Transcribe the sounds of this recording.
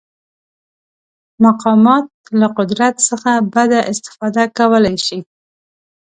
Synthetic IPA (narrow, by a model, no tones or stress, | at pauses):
maqɑmɑt̪̚laqʊd̪ɾat̪səxabad̪aʔɪst̪ɪ̥fɑd̪akawəlajʃi